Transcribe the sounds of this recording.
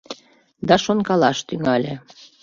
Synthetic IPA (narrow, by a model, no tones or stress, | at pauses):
d̪ɑʃonkɑlɑʃt̪yŋɑlʲe